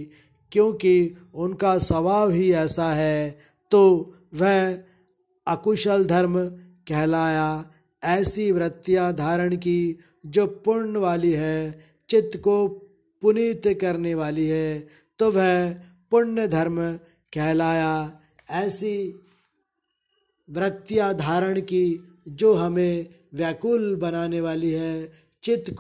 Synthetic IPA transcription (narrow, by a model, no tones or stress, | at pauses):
kjõːkiʊnkasɐʋaːʋɦiɛːsaɦɛ | t̪oː | ʋɛɦ | ɐkʊʃəld̪ʱɐɾm | kɛɦlaːja | ɛːsiʋɾɪt̪ːjãd̪ʱaːɾəɽ̃ki | d͡ʒoːpʊɾnəʋaːliɦɛ | t͡ʃɪt̪ːko | pʊnit̪kɐɾneʋaːliɦɛ | t̪oʋɛ | pʊɾnjəd̪ʱɐɾm | kʰɛɦlaːja | ɛːsi | ʋɾət̪jad̪ʱaːɾəɽ̃ki | d͡ʒoːɦɐmẽʋjaːkuːlbɐnaːneʋaːliɦɛ | t͡ʃɪt̪k